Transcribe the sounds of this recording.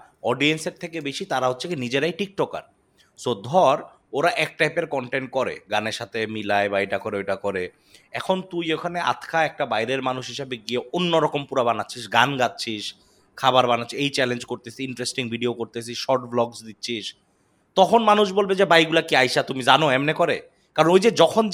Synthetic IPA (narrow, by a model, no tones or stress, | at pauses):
ɔɖienseɾt̪ʰekebeʃit̪aɾaɦotːɕʰekinid͡ʑeɾajʈik̚ʈɔka̰ɾ | sod̪ʱɔɾ | oɾaʔɛk̚ʈajpeɾkɔɳʈeɳʈ̚kɔɾḛɡaneɾʃat̪ʰemilaebajʈakɔɾeojʈakɔɾe | ɛkʰont̪ujekʰanea̰t̪ʰkʰaɛk̚ʈabajɾeɾmanuʃɦiʃabeɡieonːoɾɔkompuɾabanatːɕʰiʃɡanɡatːɕʰiʃ | kʰabaɾbanatːʰiejt͡ɕɛlend͡ʑkoɾt̪esiiɳʈɾesʈiŋbʱiɖiokoɾt̪es̬ʰiʃʃɔɾʈblɔɡsd̪itːɕʰiʃ | t̪ɔkʰonmanuʃbolbed͡ʑebajɡulakiajʃat̪umid͡ʑanoɛmnekɔɾe | kaɾonojd͡ʑed͡ʑɔkʰon